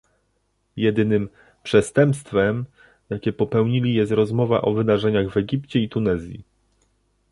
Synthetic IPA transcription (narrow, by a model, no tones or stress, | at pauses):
jɛd̪ɘnɘm | pʂɛst̪ɛmpst̪fɛm | jakʲɛpɔpɛwɲilʲijɛst̪ɾɔzmɔva̰ʔɔvɘd̪aʐɛɲaɣvɛɡʲipt͡ɕɛit̪unɛzʲjḭ